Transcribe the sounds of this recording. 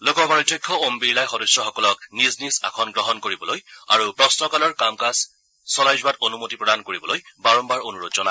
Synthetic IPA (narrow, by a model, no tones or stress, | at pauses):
lokɔbaɹitjɔkʰːɔombiɹlajxɔdɔsɹɔxɔkɔlɔk̚niznisa̰kʰɔnɡɹɔɦɔnkoɹibɔloja̰ɹupɹɔsnɔkalɔɹkamkasː | ɔlajzʊatonumotipɹɔdankoɹibɔlojbaɹɔmbaɹonuɹotzɔna